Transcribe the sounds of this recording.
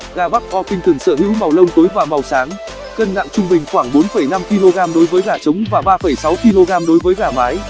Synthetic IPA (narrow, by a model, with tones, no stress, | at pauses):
ɣaː˨˩ɓa˦˥k̚ʔɔ˧pï˧ŋ̟t̪ɨ˧˩ŋsə̰ː˧˩hḭ˧˥wma˨˩wlə˧wŋ͡mt̪o˨˦jvaː˨˩ma˨˩wsaː˨˦ŋ | kə˧nna̰ː˧˨ŋt͡ɕʊ˧ŋ͡mɓï˨˩ŋ̟xwaː˧˩ŋɓo˨˦nfə˧˩jna˧mki˧lo˧ɣaː˧mɗo˨˦jvəː˨˦jɣaː˧˩t͡ɕə˨˦wŋ͡mvaː˨˩ɓaː˧fə˧˩jsa˨˦wki˧lo˧ɣaː˧mɗo˨˦jvəː˨˦jɣaː˨˩maː˨˦j